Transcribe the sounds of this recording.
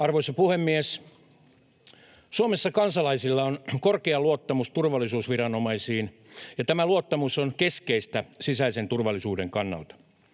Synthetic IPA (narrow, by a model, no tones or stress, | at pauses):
ɑrʋoisɑpuhemːiæs | suomesːɑkɑnsɑlɑisilːɑonkorkeɑluot̪ːɑmust̪urʋɑlːˑisuːsʋirɑnomɑisiːnjɑt̪æmæluot̪ːɑmusonkeskeist̪æsisæisent̪urʋɑlːisuːdeŋkɑnːɑ̰lt̪ɑ̥